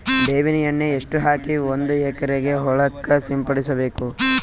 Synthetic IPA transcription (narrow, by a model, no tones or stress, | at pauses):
d̪eːʋinijɐnːeeʂʈuɦaːkiond̪uɛkɐɾeɡe̞ɦɔɭɐkːɐsimpɐɽisɐbe̞ːku